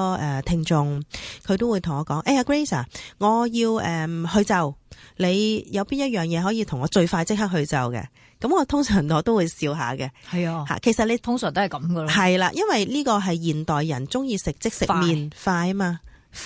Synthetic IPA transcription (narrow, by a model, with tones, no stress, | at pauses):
ɔ˧ʔɛː˨˩t̪ʰɪ˧ŋt͡ʃʊ˧ŋkʰɵ˨˧t̪o˥wuː˨˧jt̪ʰʊ˨˩ŋɔː˨˧kɔː˨˥ŋʔɛ˧ɐ˧kɹe˥jsaː˨˩ŋɔː˨˧jiː˧wɛː˨mhɵ˧ɥt͡sɐ˨wle˨˧jjɐ˨˧wpiː˥njɐ˥t̚jœː˨˩ŋjɛː˨˧ɦɔː˨˥jiː˧t̪ʰʊ˨˩ŋɔː˨˧t͡ʃɵ˧ɥfaː˧jt͡sɪ˥k̚hɐ˥k̚hɵ˧ɥt͡sɐ˨wkɛ̰˧ | kɐ˨˥mŋɔː˨˧t̪ʰʊ˥ŋsœː˨˩ŋɔː˨˧t̪o˥wu˨˧jsiː˧wɦa̰ː˨kɛ˧hɐ˨ja˧ha̰ː˨˩kʰe˨˩sɐ˨t̚le˨˧t̪ʰʊ˥ŋsœː˨˩ŋt̪o˥hɐ˨jkɐ˨˦mɡɐ˧lhɐ˨jlaː˧jʔɐ˥nwɐ˨jliː˥kɔː˧ɦɐ˨jːiː˨˩nt̪ɔː˨jːɐ˨˩nt͡sʊ˥ŋjiː˧sɪ˨k̚t͡sɪ˥k̚sɪ˨miː˨nfaː˧jmaː˧